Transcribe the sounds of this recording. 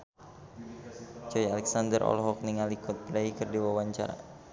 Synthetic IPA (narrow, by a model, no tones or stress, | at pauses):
d͡ʒɔjalɛksand̪ərʔɔ̰lɦɔk̚niŋalikʰɔt̪̚pdaikɨrdiwawaɲt͡ʃa̰ɾa̰